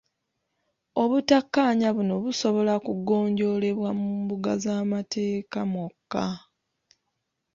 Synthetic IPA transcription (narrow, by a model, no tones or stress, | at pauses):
o̞βutakːaɲaβuno̞βuso̞βo̞lakuɡo̞ːɲɟo̞le̞βwamuːmbuɡazaːmatʰe̞ːkamokːa